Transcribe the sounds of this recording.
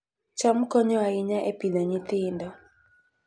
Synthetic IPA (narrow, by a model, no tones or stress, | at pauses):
t͡ʃamkɔɲɔaɪɲaʔepidaɲɪt̪ɪndɔ